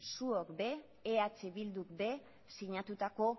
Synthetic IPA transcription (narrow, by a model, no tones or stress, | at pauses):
suokbe̞ː | at͡seβild̪ukbe̞ | siɲat̪ut̪ako̞